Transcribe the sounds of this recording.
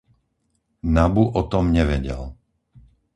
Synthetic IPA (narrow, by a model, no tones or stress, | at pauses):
nabuʔɔt̪ɔmɲɛʋɛɟɛ̰l